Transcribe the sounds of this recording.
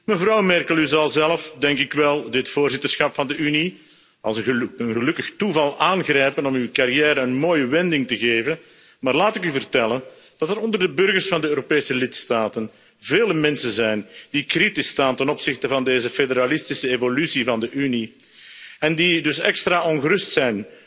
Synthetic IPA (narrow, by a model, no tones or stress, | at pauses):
məvrɑwmɛrkəlˠyzɑlˠzɛləfdɛŋkɪkʋɛlˠdɪtfoːrzɪtərsxɑpfɑndəyni | ɑ̰lˠsənənɣəlɵkəxtuvɑlˠʔaːnɣrɛjpənɔmywkaɾijɛːɾəənmoːjəʋɛndɪŋtəɣeːvən | maːrlaːtɪkyvərtɛlən | d̥ɑtəɾɔndərdəbɵrɣərsfɑndəøːɾopeːsəlɪtstaːtən | veːləmɛnsənzɛjnd̥ikritɪstaːntɛnɔpsɪxtəvɑndeːzəfedəɾalɪstɪsəevolysivɑndəʔyni | ɛndidɵsɛ̰kstraːɔnɣəɾʏstsɛjn